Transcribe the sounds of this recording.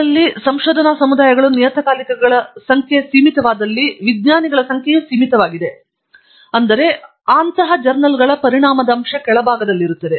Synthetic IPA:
ɐlːisɐmʃoːd̪ʱɐnaːsɐmud̪aːjɐɡɐɭunijɐt̪ɐkaːlikɐɡɐɭɐsɐŋkʰjesiːmit̪ɐʋaːd̪ɐlːiʋid̪ɲaːniɡɐɭɐsɐŋkʰjɐjusiːmit̪ɐʋaːɡid̪e̞ | ɐnd̪ɐɾe̞ | aːnt̪ɐɦɐd͡ʒɐɾnɐlɡɐɭɐpɐɾiɳaːmɐd̪ɐːmʃɐkɛɭɐbʱaːɡɐd̪ɐlːiɾut̪ːɐd̪e

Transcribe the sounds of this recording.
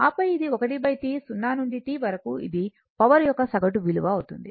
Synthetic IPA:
aːpɐjid̪iɔkɐʈibɐjt̪isunːaːnuɳɖiʈiːʋɐɾɐkuḭd̪i | pɐʋɐɾjɔkːɐsɐɡɐʈuʋiluʋɐːwut̪und̪i

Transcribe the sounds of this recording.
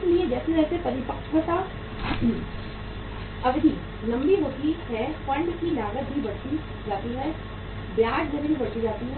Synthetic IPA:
sliẽd͡ʒɛːsed͡ʒɛːsepɐɾɪpəkʃɦoːt̪a | ɐbd̪iː | lɐ̃mbiɦoːt̪iɦɛpɐ̃ɳɖkinaːɡət̪̚bʱibɐɽ̤t̪i | d͡ʒaːt̪iɦɛ | bjaːʈd͡ʒɐɾebʱibɐɽt̪id͡ʒaːt̪iɦɛ

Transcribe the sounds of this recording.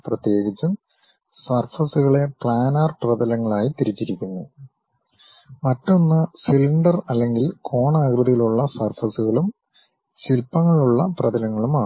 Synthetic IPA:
prɐt̪je̞ːɡit͡ɕːu | sɐrfɐsuɣɐɭe̞pɭaːnaːrprɐðɐlɐŋːɐɭaːjit̪iɾit͡ɕːiɾikʲːunːu | mɐtːonːɨsiliɳɖɐrɐlːe̞ŋɡilkʰo̞ːɳaːɡrɨðijiluɭːɐsɐrfɐsuɣɐɭum | silpɐŋːɐɭuɭːɐprɐdɐlɐŋːɐɭumaː

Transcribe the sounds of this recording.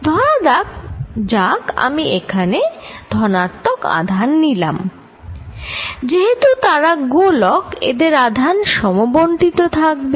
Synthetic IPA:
d̪ʱɔɽad̪ak̚d͡ʑaka̰miekʰaned̪ʱɔnat̪ːoka̰d̪ʱanːila̰m | d͡ʑeɦet̪ut̪aɾaɡolɔkḛd̪eɾad̪ʱanʃɔmobonʈit̪ot̪ʰak̚be

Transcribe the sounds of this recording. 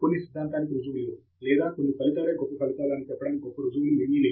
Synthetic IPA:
konːisid̪ʱːaːnt̪aːnikɾud͡ʒuʋulːoː | lɛːd̪aːkonːipɐlit̪aːɾeːɡɔpːɐpʰɐlit̪aːɾaːnit͡ʃɛpːɐɽɐːniɡɔpːɐɾud͡ʒuʋuliminiːleː

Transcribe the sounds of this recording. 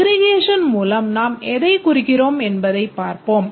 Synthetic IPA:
ɾɪɣeːʂɐnmuːlɐmnaːmɛðɐɪkʊɾɪkːɪroːmɛnbɐðɐɪppːaːɾpoːm

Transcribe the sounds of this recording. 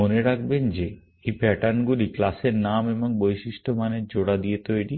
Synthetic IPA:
oneɾak̚ʰbend͡ʑe | ejbɛʈanɡuliklaseɾnameboŋbojʃiʃʈʰomaneɾd͡ʑoɽad̪iet̪ojɽi

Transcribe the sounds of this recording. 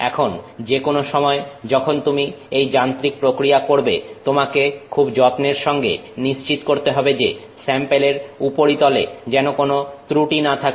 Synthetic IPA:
ɛ̰kʰond͡ʑekonoʃɔmɔed͡ʑɔkʰont̪umi | ejd͡ʑant̪ɾik̚pɾokɾiakoɾbḛt̪omakekʰubd͡ʑɔt̪neɾʃɔŋɡḛniʃt͡ɕit̪koɾt̪eɦɔbed͡ʑe | sɛmpeleɾupoɾit̪ɔled͡ʑɛnokonot̪ɾuʈinat̪ʰak

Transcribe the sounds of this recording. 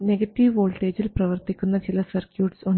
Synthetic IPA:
ne̞ɡɐtːiʋoːlʈːe̞ːd͡ʑilprɐʋɐrt̪ikʲːunːɐt͡ɕilɐsɐrkjuːʈsoɳ

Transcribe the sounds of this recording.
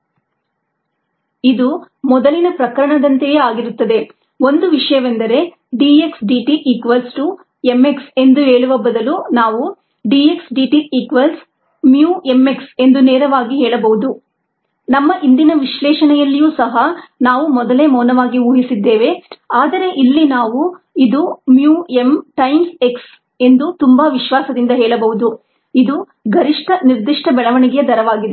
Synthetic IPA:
id̪u | mɔd̪ɐlinɐpɾɐkɐɾɐɳɐd̪ɐnt̪ejeaːɡiɾut̪ːɐd̪e̞ | o̞nd̪uʋiʂɐjɐʋend̪ɐɾe̞ | ɖie̞ksɖiʈiʔiːkʋɐlsʈu | emːe̞kse̞nd̪uɦeːɭuʋɐbɐd̪ɐlunaːʋu | ɖie̞ksɖiːʈiiːkʋɐls | mjuːe̞mːekse̞nd̪uneːɾɐʋaːɡiɦɛːɭɐbɐɦud̪u | nɐmːɐʔind̪inɐʋiʃlɛːʃɐɳɛjɐlːijuːsɐɦɐnaːʋumɔd̪ɐle̞ːmɔːnɐʋaːɡiuːɦisid̪ːeːʋe̞aːd̪ɐɾe̞ʔilːinaːʋu | id̪umjuːe̞mʈɐjmse̞ks | e̞nd̪ut̪umbɐʋiʃʋaːsɐd̪ind̪ɐɦɛːɭɐbɐɦud̪u | id̪u | ɡɐɾiʂʈʰɐniɾd̪iʂʈʰɐbɛɭɐʋɐɳiɡɛjɐd̪ɐɾɐʋaːɡid̪e

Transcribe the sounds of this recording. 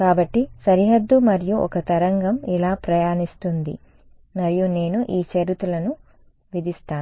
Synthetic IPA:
kaːbɐʈːisɐɾiɦɐd̪ːumɐɾijuʔɔ̰kɐt̪ɐɾɐŋɡɐmilaːpɾɐjaːnist̪und̪ḭ | mɐɾijune̞ːnuʔiːt͡ʃɐɾit̪ulɐnu | ʋid̪ist̪aː

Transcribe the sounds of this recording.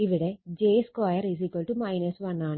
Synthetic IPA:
iʋiɽed͡ʒeːskʋajɐɾizikɐlʈumɐjnɐsʋɐnːaːn

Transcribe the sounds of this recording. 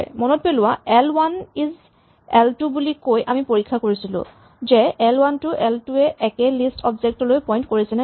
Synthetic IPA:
mɔnɔt̚pɛlʊwaɛlwaniz | ɛltubulikojʔamipoɹikʰːakoɹisilʊ̰̃ | zɛɛlwantʊʔɛltuɛʔɛkɛlistʰɔbzɛk̚tɔlojpɔj̃ntkoɹisɛnɛ

